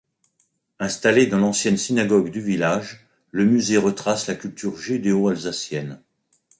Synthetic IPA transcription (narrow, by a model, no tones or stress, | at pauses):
ɛ̃st̪aled̪ɑ̃lɑ̃sjɛnsinaɡɔɡd̪yvilaʒ | ləmyzeʁət̪χaslakʲylt̪ʰyʁʒid̪eoalzasjɛn